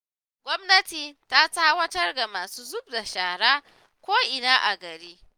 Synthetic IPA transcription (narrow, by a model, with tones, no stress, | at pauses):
ɡʷɔ˦mnɐ˦tiː˨ta˦taː˦wɐ˦tɐ˦rda˨maː˨suː˦zʊ˦bda˨ʃaː˨ɽaː˦ | kʷoː˦ʔɪ˨naː˦ʔa˨ɡɐ˨ɾiː˦